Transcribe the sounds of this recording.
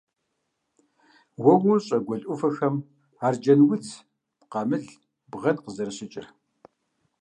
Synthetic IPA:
wɐwʊɕʼɐɡʷɔɮʼʊfɐxɐm | aːrd͡ʒɐnwʊt͡sʰ | pqɑmɨɮ | bʁɐdqəzɐɾɨɕʼɪt͡ʃʼɪ̰r

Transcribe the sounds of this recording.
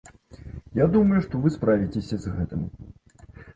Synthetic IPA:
jad̪umɐjuʂt̪ɔvɨspɾavʲit͡sʲesʲɐzɣɛt̪ɨ̰m

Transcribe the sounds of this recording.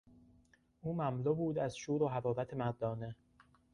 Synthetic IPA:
ʔuːmæmlobuːd̪æzʃuːɾoɦæɾɒːɾæt̪ʰemæɾd̪ɒːne̞

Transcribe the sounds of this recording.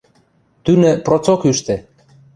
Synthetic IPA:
t̪ynə̆prot͡sokyʃt̪e

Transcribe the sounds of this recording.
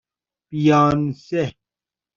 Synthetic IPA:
pijaːnse

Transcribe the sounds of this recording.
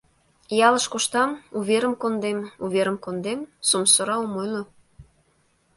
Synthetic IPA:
jɑləʃkoʃt̪ɑmuβeɾəmkond̪emuβeɾəmkond̪emsomsoɾɑomojlo

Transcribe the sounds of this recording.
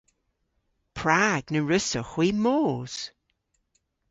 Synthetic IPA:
pʰɹaɡnəɹɪsəxwiːmoːz̥

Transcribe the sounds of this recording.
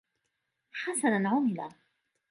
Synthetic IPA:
ħasananʕʊmɪla

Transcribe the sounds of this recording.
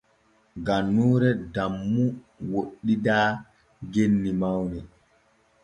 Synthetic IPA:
ɡanːuːɾɛdamːu | woɗːidaː | ɡenːimawnɛ

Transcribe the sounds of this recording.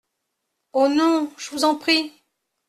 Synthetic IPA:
onɔ̃ʒ̥əvuzɑ̃pχi

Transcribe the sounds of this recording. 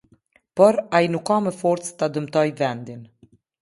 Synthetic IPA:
pɔɾainukːamɛfɔɾt̪t͡st̪ad̪əmt̪ɔjvɛnd̪in

